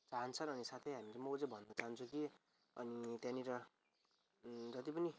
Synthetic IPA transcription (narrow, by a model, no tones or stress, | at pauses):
t͡saɦʌnt͡sʰʌnʌnisat̪ʰʌjɦamiɾʌmʌud͡zebʱʌnːʌt͡saɦant͡sʰuki | ʌ̰nit̪jãniɾʌ | d͡zʌt̪ipʌni